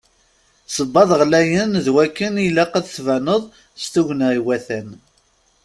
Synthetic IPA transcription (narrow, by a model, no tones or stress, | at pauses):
səbːɑðˤʁlæjənðwækːənilæqæðθvænəðˤ | st̪uʝniwæθæn